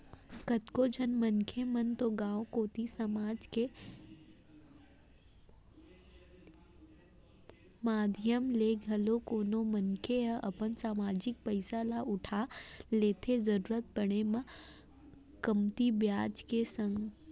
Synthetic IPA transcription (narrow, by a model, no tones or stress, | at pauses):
kət̪kod͡ʒʱɐnmɐnkʰemɐnt̪oɡãːokoːt̪isɐmaːd͡ʒke | maːd̪ʱjəmleːɡʱɐlokoːnomənkʰeəʔɐpənsaːmaːd͡ʒɪk̚pəɪsalaʔʊʈʰaleːt̪ʰezɐɾuːɾət̪̚bəɽ̃emɐ̃ | kəmt̪ibjaːd͡ʒkesə̃ŋɡ